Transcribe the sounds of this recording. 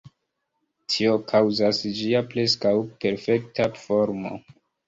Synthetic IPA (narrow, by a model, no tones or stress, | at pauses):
tʰio̞kʰawzasd͡ʒiaple̞skawpe̞ɾfe̞ktafo̞ɾmo̰